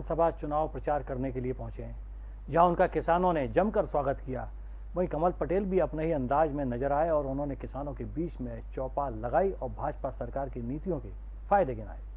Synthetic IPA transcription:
nsɐbʱat͡ʃʊnaːʋopɾɐt͡ʃaːɾkɐɾnekeliepɐ̃ɦʊ̃t͡ʃẽ | d͡ʒɐɦãʊnkakɪsaːnõned͡ʒɐmkɐɾswaːɡət̪kija̰ː | ʋɐɦĩkɐməlpɐʈeːlbʱiɐpnaɦiɐ̃nd̪aːzmẽnɐzəɾaːeɔːɾʊnɦõnekɪsaːnõkebiːt͡ʃmẽt͡ʃɔːpalɐɡaːiɔːɾbʱaːd͡ʒpasɐɾkaːɾkeniːt̪ijõke | faːɪd̪eɡɪna̰ːeː

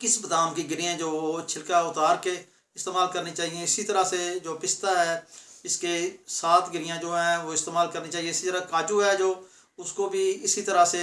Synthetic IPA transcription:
kɪsbəd̪aːmkiɡɪɾiãːd͡ʒoːt͡ʃʰɪlkaːʊt̪aːɾke | ɪst̪eːmaːlkəɾnit͡ʃaːɦiẽɪsit̪əɾased͡ʒoːpɪst̪aːɦɛːɪskesaːt̪ʰɡɪɾɪjãːd͡ʒoːɦɛ̃ːʋoːɪst̪eːmaːlkəɾnit͡ʃaːɦieɪsit̪əɾakaːt͡ʃuɦɛːd͡ʒoː | ʊskoːbʱiːɪsit̪əɾase

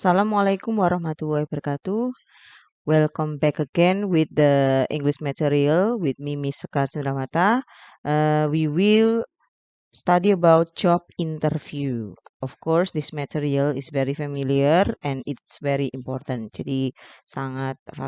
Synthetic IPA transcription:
asalamalajkumwaɾahmat̪ulaibərkat̪u | wɛlkɔmbɛkəɡɛnwɪt̪̚dəḭ̃ŋɡliʃmɛt̪iɾialwit̪̚mimisəkarsənd̪ɾamat̪a | ʔəwiwil | st̪adiəbawt̪̚t͡ʃɔp̚int̪ərfjuɔfkɔrsd̪ismɛt̪iɾialɪsvɛɾifamiliərɛ̃nɪt̪svɛɾiʔimpɔrt̪and͡ʒadisaŋat̪̚aa

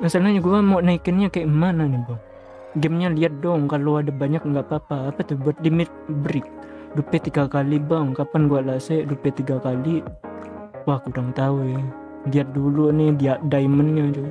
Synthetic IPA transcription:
masalnaɲaɡuamoʔnaikɪnɲakaɛʔmananɪbaŋ | ɡɛmɲaliat̪̚dɔŋkaloadabaɲak̚ŋɡaʔpapaːpat̪ʊhbuat̪̚limɪt̪̚bɾɪk̚ | dupɛt̪iɡakalibaŋkapanɡuaʔlasɛʔdupɛt̪iɡakali | wahkuɾaŋt̪awe | liat̪̚dulunɪdiaʔdaimənɲad͡ʒo

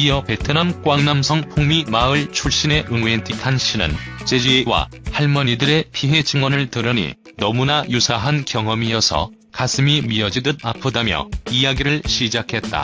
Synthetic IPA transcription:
ijʌpe̞tʰɯnʌnk͈waŋnamsʰʌŋpʰoŋmimaɯɭt͡ɕʰuɭɕ͈ine̞ʔɯŋuentʰikʰanɕ͈ʰinɯ̰nt͡ɕ͈e̞d͡ʑiewa̰haɭmʌɲidɯɾe̞pʰiɦe̞t͡ɕʰiŋwʌnɯɭtɯɾʌnḭ | nʌmunajusʰaɦankjʌŋʌmijʌsʰʌ̰ | kasʰɯmimiʌd͡ʑidɯd̚apʰɯdamjʌ̰ijaɡiɾɯɭɕʰid͡ʑakʰe̞t̚t͈a̰

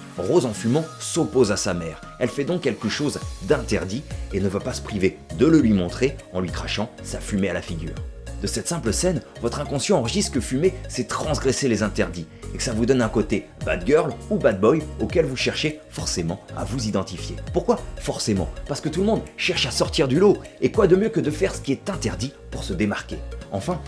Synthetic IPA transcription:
ʁozɑ̃fymɑ̃sopozasamɛːʁ | ɛlfɛd̪ɔ̃kʲːɛlkəʃozd̪ɛ̃t̪ɛʁd̪ienəvapasə̥pχived̪ələlɥimɔ̃t̪χeɑ̃lɥikχaʃɑ̃safymealafiɡʲy̰ːʁd̪əsɛt̪sɛ̃pləsɛnvɔt̪χɛ̃kɔ̃sjɑ̃ɑ̃ʁəʒist̪kəfymesɛt̪χɑ̃sɡʁeselezɛ̃t̪ɛʁd̪i | ḛkə̥savud̪ɔnɛ̃kot̪e | ba̰d̪ɡʲœʁlubad̪̚bɔjokʲɛlvuʃɛʁʃefɔʁsemɑ̃a̰vuzid̪ɑ̃t̪ifjḛpuʁkwafɔʁsemɑ̰̃paʁsəkət̪uləmɔ̃d̪ʃɛʁʃasɔʁt̪iʁd̪yloekwad̪əmjøkəd̪əfɛʁsə̥kʲiɛt̪ɛ̃t̪ɛʁd̪i | puʁsəd̪emaʁkʲeɑ̰̃fɛ̃

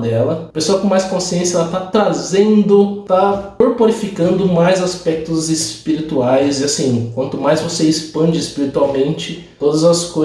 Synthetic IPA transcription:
d̪ɛlɐpesoaɐkõmajskõsiẽsjɐɛlɐt̪at̪ɾazẽnd̪ʊt̪aoɾpoɾifikɐ̃nd̪ʊmajzaspɛk̚t̪ʊzespiɾit̪uajzɪasĩkwɐ̃nt̪ʊmajzvoseɪspɐ̃nd͡ʒɪːspiɾit̪uawmẽnt͡ʃɪ | t̪od̪ɐzɐsko

